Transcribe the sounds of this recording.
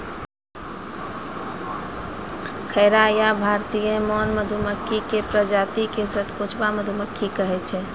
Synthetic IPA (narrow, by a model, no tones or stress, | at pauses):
kʰəɪɾajabʱaɾt̪ijəmɔnməd̪ʱuməkʰːikepɾəd͡ʒat̪ikesət̪ʰput͡ʃʰbaməd̪ʱuməkʰːikəɦɛt͡ʃʰɛ